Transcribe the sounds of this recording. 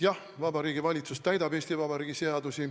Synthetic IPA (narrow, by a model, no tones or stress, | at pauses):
jɑh | vɑbɑɾiːɡ̥ivɑlʲit̪sust̪æjd̪ɑbeːst̪ivɑbɑɾiːɡise̞ɑd̪usi